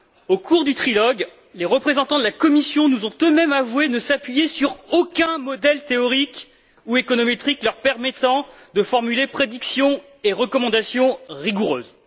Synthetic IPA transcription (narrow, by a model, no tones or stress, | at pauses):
okʰuʁd̪yt̪χilɔɡ | leʁəpχezɑ̃t̪ɑ̃d̪əlakɔmisjɔ̃nuzɔ̃t̪ømɛmavwenəsapɥijesyʁokʲɛ̃mɔd̪ɛlt̪eɔʁik | uekɔnɔmet̪χiklœʁpɛʁmet̪ɑ̃ | d̪əfɔʁmylepχed̪iksjɔ̃ | eʁəkɔmɑ̃d̪asjɔ̃ʁiɡuʁø̰ːz